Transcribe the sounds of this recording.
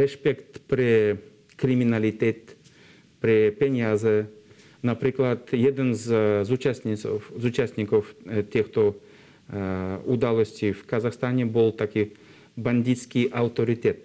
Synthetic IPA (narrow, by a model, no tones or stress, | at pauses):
ɾɛʂpʲɛkt̪pɾʲɪ | kɾʲɪmʲinalʲit̪ʲɛt̪ | pɾʲɪpʲɛnʲjazɛ | napɾʲiklˠat̪jɛd̪ənzzut͡ʃasʲnʲisofzut͡ʃasʲt̪ʲnʲikɔft̪ʲɛxt̪o | ud̪alˠɔsʲtʲijfkazaxst̪anʲɛbɨlˠt̪akʲi | banʲd̪ʲit̪skʲiʔawt̪oɾʲɪt̪ʲɛt̪̚